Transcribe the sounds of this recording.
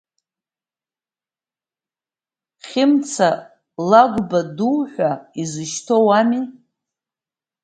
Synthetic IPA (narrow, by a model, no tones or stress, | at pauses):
χʲɪmt͡sʰa | laɡʷbaduwħʷᶣaizɨʃtʰowami